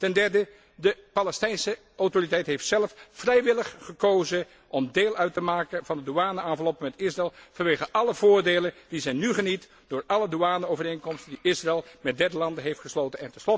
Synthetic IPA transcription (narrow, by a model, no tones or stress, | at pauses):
tɛndɛɹdə | dəpɑlɛstɛjnsə | ʔɑwtoritɛjtɦejftsɛləffrɛjʋɪləχχəkowzə | ʔɔmdeːlˠœɥtəmaːkənvɑndəduaːnəaːnvəlɔpəmɛtɪsraɪlˠv̥ɑnʋejχəʔɑləvʊːɹdejləndizɛjnyχənit | d̥ʊːɹɑləduaːnəowvərejŋkɔmstəndiʔɪsraɛlˠmɛt̚dɛɹdəlɑndəɦejftχəslowtənɛ̰ntɛnslɔt